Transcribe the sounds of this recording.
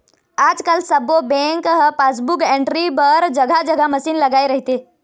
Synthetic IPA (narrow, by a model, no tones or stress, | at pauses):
ad͡ʒkalsəbobẽŋkɦpasbukẽɳʈɾibəɾd͡ʒəɡʱad͡ʒəɡʱaməsiːnləɡaiɾəɦit̪e